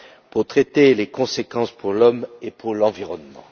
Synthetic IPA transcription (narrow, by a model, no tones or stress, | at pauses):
puʁt̪χɛt̪elekɔ̃sekɑ̃spuʁlɔmepʰuʁlɑ̃viʁɔnmɑ̰̃